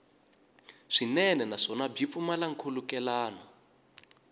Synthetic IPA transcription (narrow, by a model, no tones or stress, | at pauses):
ʂinɛnɛnaʂɔnab͡ʐʱip̪fumalaŋ̩kʰolukɛlaːna